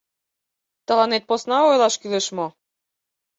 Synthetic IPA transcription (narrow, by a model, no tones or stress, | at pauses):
t̪ɑlˠɑnet̪̚posnɑojlˠɑʃkylĕʃmo